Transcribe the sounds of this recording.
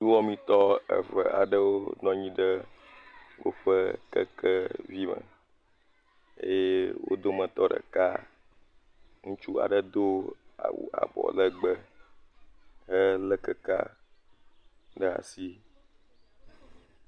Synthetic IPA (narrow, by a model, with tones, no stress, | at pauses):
u˦wɔ˦mĩ˦t̪ɔ˦ə̰˨və˨a˨ɖə˦wo˦nɔ̃˦ɲĩ˦ɖə˦ | wo˦ɸə˦kə̰˦kə˦vi˦mə̰̃˨ | ḛ˦je˦wo̰˦d̪o˦mə̃˨t̪ɔ˦ɖə̰˨ka˦ | ŋũ˦t͡ʃu˦a̰˨ɖə˦d̪o˦a˨wṵ˨a̰˨bɔ̰˨lə˦ɡ͡bə˦ | ɦə˦lə˦kə˦ka̰˦ | ɖə˦a̰˨si˦